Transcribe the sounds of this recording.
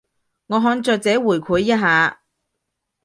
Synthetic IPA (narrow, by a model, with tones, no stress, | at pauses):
ŋɔː˨˧ɦɔː˧nt͡sœː˧k̚t͡sɛː˨˥wuː˨˩jkʷʰuː˨˥jːɐ˥t̚ɦaː˨˧